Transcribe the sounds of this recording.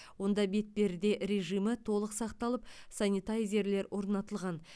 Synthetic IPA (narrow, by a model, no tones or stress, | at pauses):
wo̞nd̪ɑbe̞t̪̚be̞ɾd̪e̞ɾe̞ʒijmət̪ʰo̞lˠəqsɑqt̪ɑlˠəpsɑnʲit̪aɾjze̞ɾle̞ɾwʔo̞ɾnɑt̪əlˠʁɑn